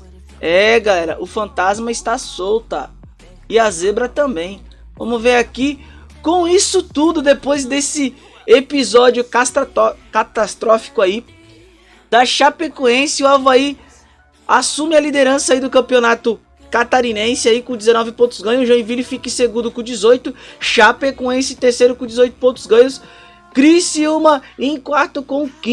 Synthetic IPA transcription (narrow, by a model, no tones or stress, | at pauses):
ɛɡalɛɾɐ̰ʔʊfɐ̃nt̪azmɐɪst̪asowt̪ɐ | ɪazebɾɐt̪ɐ̃bẽj̃ | vɐ̃mʊzveɾaki | kõw̃isʊt̪ud̪ʊd̪epojzd̪esɪ | epizɔd͡ʒʊkast̪ɔkat̪ast̪ɾɔfi̥kʊai | d̪̥ɐʃapekõẽsɪʊavai | asũmɪɐlid̪eɾɐ̃sɐaid̪ʊkɐ̃piõnat̪ʊ | kat̪aɾinẽsɪaikõd͡ʒɪzenɔvɪpõt̪ʊzɡɐ̃ɲʊʒɐ̃ĩvilʊfikɪseɡũd̪ʊkõd͡ʒizojt̪ʊʃapekõẽsɪt̪eɾsejɾʊkõd͡ʒizojt̪ʊ̥põt̪ʊ̥zɡɐ̃jɲʊs | kɾisiumɐẽkwaɾt̪ʊkõʊkĩ